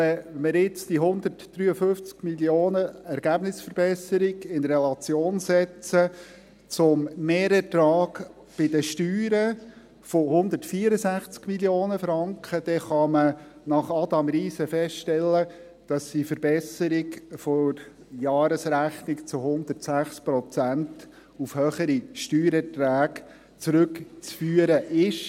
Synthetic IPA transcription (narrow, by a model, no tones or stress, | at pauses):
ɛɛməɾɪt͡sd̥iɦʊnd̪ətd̥ɾyːəfʏft͡skmiljoːnəɛɾɡ̥æbnɪsfəɾb̥ɛsəɾiɡɪnɾɛlɑt͡sjoːnsɛt͡sə | t͡sʊmmeːɾɛtɾɑːɡ | b̥ɪd̥̪əʃtyːɾə | fohʊnd̪ətfiːəɾəzæχt͡skmiljoːnəfɾɑŋkχəd̥̪ɛχɑmənɑχɑd̪ɑmɾiːsəfɛstʃtɛlːə | d̥ɑsdifəɾb̥ɛsəɾikfɔɾ | jɑːɾəsɾæχnɪkt͡sʊhʊnd̪ətsæχspɾɔt͡sænt | ufhœχəɾiʃtyːɾɛtɾæːk | t͡sɾʏkt͡sfyːəɾəʔɪʃ